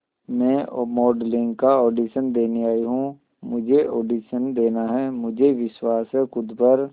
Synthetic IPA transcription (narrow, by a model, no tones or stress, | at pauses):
mɛ̃ːmɔːɖlɪ̃ŋɡkaɔːɖiːʃənd̪eːniaːiɦũ | mʊd͡ʒʱeʔɔːɖiːʃənd̪eːnaɦɛmʊd͡ʒʱeʋɪʃwaːsɦɛkʊd̪bəɾ